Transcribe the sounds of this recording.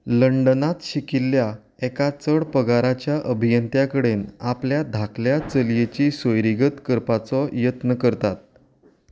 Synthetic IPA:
ləɳɖənat̪ɕikilːja | ɛkat͡səɽpəɡaɾat͡ɕjaʔəbʱijənt̪jakəɽenapljad̪ʱakʰljat͡səljet͡ɕiːsojɾiɡət̪kəɾpat͡sɔjət̪nəkəɾt̪at̪̚

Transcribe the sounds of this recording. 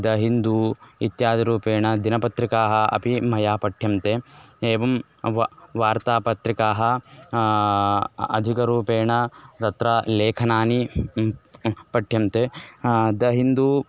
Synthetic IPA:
d̪ɐɦind̪uit̪jaːd̪ɐɾuːpeːɳɐd̪inɐpɐt̪ɾikaːɦɐɐ̰pimɐjaːpɐʈʰjɐmt̪eeːʋɐm | ʋʋaːɾt̪aːpɐt̪ɾikaːɦɐ | ɐ̰d̪ʱikɐɾuːpeːɳɐt̪ɐt̪ɾɐleːkʰɐnaːni | pɐʈʰjɐmt̪e | d̪ɐɦind̪uː

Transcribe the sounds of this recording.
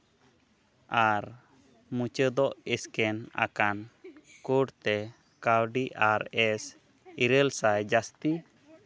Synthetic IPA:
aɾ | mũt͡ʃəd̪ɔʔɛskɛna̰kankuɖt̪ɛ | kawɖiʔaɾɛs | iɾəlsajd͡ʒast̪i

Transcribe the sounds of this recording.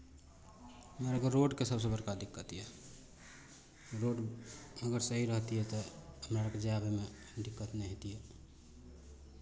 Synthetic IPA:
meɾəɡəɾːoɖkesəbs̬ə̃bəɾkad̪ikːət̪iɦɛ | ɾoɖəɡəɾsəɦiɾəɦt̪iɦɛt̪ɔəmɾaɾəked͡ʒabeme | ɖikːət̪nɛɦet̪iɦɛ

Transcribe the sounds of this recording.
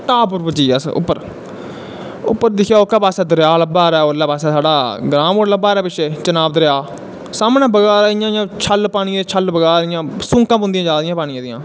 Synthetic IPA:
ʈaːp̬ʊɾpət͡ʃiːəsʊ̰pːəɾ | ʊpːəɾd̪ɪkʰjaːokːaːpaːsɛːd̪əɾjaːləbaːɾɛːoːlːaːpaːsɛːsaːɖaːɡɾãːmoːɽləbːaːɾɛːpɪʃeːt͡ʃənaːbd̪əɾjaː | saːmnãːbəɡaːɾaːijãːjãːt͡ʃʰəlpaːñiːeːt͡ʃʰəlbəɡaːɾɪjãːsʊ̃ːkãːpʊ̃nd̪ĩãːd͡ʒaːd̪ɪjãːpaːɽ̃ɪãːd̪ɪjãː

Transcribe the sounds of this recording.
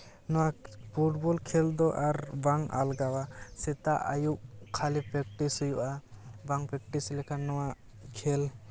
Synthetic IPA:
nɔwapʰuʈ̚bɔlkʰɛld̪ɔʔaɾbaŋa̰lɡawasɛt̪aʔajuʔ̚kʰalipɾɛk̚ʈishujuʔabaŋpɾɛk̚ʈislɛkʰanːɔwaʔ | kʰel

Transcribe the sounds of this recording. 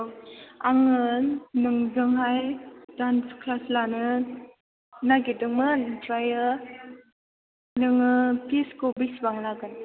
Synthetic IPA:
aŋɯnnɯŋzɯŋɦajdanskʰlaslanɯ | naɡidɯŋmɯntɾajə | nɯŋɯpʰiskobisbaŋlaɡɯn

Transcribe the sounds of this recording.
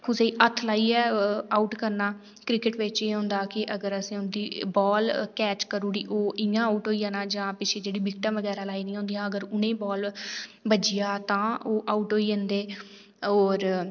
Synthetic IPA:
kʰʊseːiːʔət̪ʰlaːiːɛːaːuːʈkəɾnaː | kɾɪkɪʈʋɪt͡ʃeːɦʊ̃ːnd̪aːkɪʔəɡəɾəsẽːʊnd̪iːbɔːlkɛːt͡ʃkəɾuːɽḭːʔoːʔɪjãːuːʈɦoːiːãːnãːd͡ʒãːpɪt͡ʃʰeːd͡ʒeːɽiːbɪkʈə̃ːʋəɡɛːɾaːlaːiːnĩːõːnd̪ijãːəɡəɾʊnẽːbɔːlbəd͡ʒɪjaːt̪ãːoːʔaːuːʈɦoːiːẽnd̪eː | ɔːɾ

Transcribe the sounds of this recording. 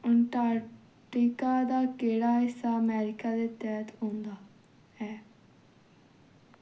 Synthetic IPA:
əɳʈaːɾ | ʈikaːd̪aːkeːɽaːɦɪsːaːəmɛːɾɪkaːd̪eːt̪ɛːt̪ɦõːnd̪aː | ɛː

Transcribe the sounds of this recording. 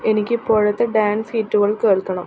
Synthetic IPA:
e̞nikʲːɨpoɻɐt̪ːeɖaːnshiːtːuɣɐɭke̞ːɭkɐɳɐm

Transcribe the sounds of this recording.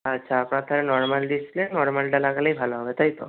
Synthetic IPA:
ətːʃʰaːpɽ̃at̪ʰəɾenɔɾmalɖislenɔɾmalɖalaɡaləibʱalõɦəʋet̪ʰajt̪o̰

